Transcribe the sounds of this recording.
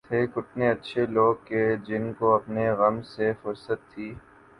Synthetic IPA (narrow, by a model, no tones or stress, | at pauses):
t̪ʰeːkʊʈʰneɐtːʃʰeloːɡ̚ked͡ʒɪnkoɐpneɣɐmsefʊɾsət̪ʰːiː